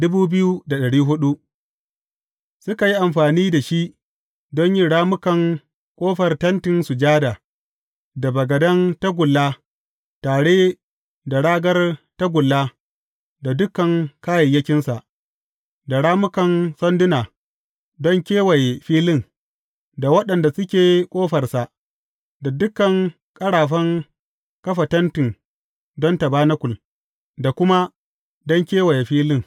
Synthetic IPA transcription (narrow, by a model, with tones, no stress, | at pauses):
dʊ˦buː˦bɪ˦ju˦da˨ɗɐ˨ɽiː˦ɦʊ˦ɗu˦ | sʊ˦ka˨ji˦ʔa˨mɸaː˨niː˦da˨ʃi˦ʔ | dɔ˦ɲjɪ˦ɽaː˦mʊ˦kɐ˨ŋ | kʷʼoː˦ɸɐ˨rtɐ˦ntɪ˨nsu˨d͡ʒaː˦daː˨ | da˨bɐ˨ɡɐ˨dɐ˦ŋta˦ɡʷʊ˨lːaː˦ | taː˨ɽeː˦ | da˨ɽaː˦ɡɐ˦rta˦ɡʷʊ˨lːaː˦ | da˨dʊ˦kɐ˨ŋkaː˦jɐ˨jɐ˦kʲɪ˦nsa˨ʔ | da˨ɽaː˦mʊ˦kɐ˨nsɔ˦ndʊ˦naː˨ | dɔ˦ŋkʲeː˦wa˨jɸiː˦lɪ˦˨ŋ | da˨wɐ˦ɗɐ˨nda˨sʊ˦kʲeː˨kʷʼoː˦ɸɐ˨rsa˨ʔ | da˨dʊ˦kːɐ˨ŋ | kʼɐ˦ɽaː˨ɸɐ˦ŋ | kɐ˦ɸa˨tɐ˦ntɪ˨ŋ | dɔ˦ntɐ˨baː˦na˦kʷʊ˨l | da˨kʷʊ˦ma˦ | dɔ˦ŋkʲeː˦wa˨jɸiː˦lɪ˦ŋ